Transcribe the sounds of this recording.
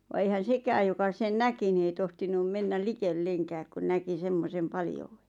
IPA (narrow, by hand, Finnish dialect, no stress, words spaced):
ʋɑ eihæn̞ sekæːj jokɑ sen næki ni ei tohtinum menːæl likelːeŋkæːk ku næki semːosem pɑljouwe̥